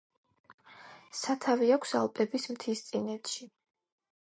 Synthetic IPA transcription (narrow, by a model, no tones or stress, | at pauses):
sat̪ʰaviakʷʰsa̰lˠpʼɛbismt̪ʰist̪sʼinɛt̪ʃi